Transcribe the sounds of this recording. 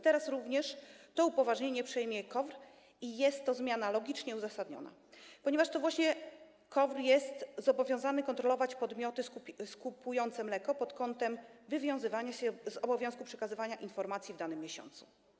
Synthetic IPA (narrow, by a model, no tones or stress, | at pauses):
t̪ɛɾasɾuvɲɛʂt̪ɔupɔvaʐɲeɲɛpʂɛjmʲjɛkɔvɾ | ijɛst̪ːɔzmʲjanalɔɡʲit͡ʂɲɛuzasad̪ɲɔ̰na̰ | pɔɲɛvaʂt̪ɔvwaɕɲɛ | kɔvɾjɛst̪zɔbɔvʲjɔ̃w̃zanɘkɔnt̪ɾɔlɔvat͡ɕpɔd̪mʲjɔt̪ɘskuskupujɔnt̪sɛmlɛkɔpɔt̪kɔnt̪ɛmvɘvʲjɔ̃w̃zɘvaɲaɕɛzɔbɔvjɔ̃w̃skupʂɛkazɘvaɲaʔinfɔɾmat̪sʲjivd̪anɘmʲːjeɕɔ̰nt̪su̥